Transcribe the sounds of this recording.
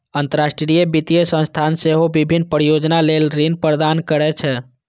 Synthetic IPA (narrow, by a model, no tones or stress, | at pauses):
ənt̪əɾasʈɾijebit̪ijəsə̃nst̪ʰanseɦobibʱinːpəɾijod͡ʒnalelɾinpɾɾəd̪ankəɾɛt͡ʃʰɛ